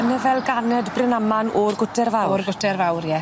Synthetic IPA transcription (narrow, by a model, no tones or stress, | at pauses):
nəvɛlˠɡanɛdbrɪnamanɔrɡʊtʰɛrvawrɡʊtʰɛrvawrjɛ